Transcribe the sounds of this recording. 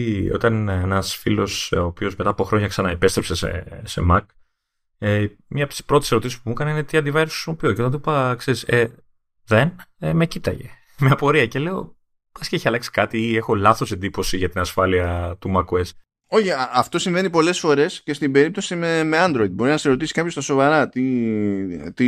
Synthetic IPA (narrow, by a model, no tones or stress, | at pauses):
o̞̰t̪ɐnenɐsfilo̞soːpio̞zmet̪ɐːpo̞xɾo̞ɲɐksɐnɐipe̞st̪ɾepsesḛse̞̰mɐk | e | mɲɐɐpt̪i̥spɾo̞t̪e̥seot̪isi̥spumukɐneinet̪iɐnd̪ivɐjɾossmopioceot̪ɐnt̪upɐkse̞ɾise | ðe̞neme̞cit̪ɐ̰ʝe̞̰ | mɲɐpo̞ɾiɐce̞le̞o̞̰ | ɐsceeçiɐlɐksi̥kɐt̪iie̞xo̞lɐθo̞se̞nd̪ipo̞siʝɐt̪inɐsfɐliɐt̪umɐkues | o̞çiɐft̪o̞siɱve̞nipo̞le̞sfo̞ɾe̞sce̞st̪ibe̞ɾip̚t̪o̞simemeɐnd̪ɾo̞id̪̚bo̞ɾinɐseseɾo̞t̪isi̥kɐpço̞st̪ɐsovɐɾɐt̪i | t̪i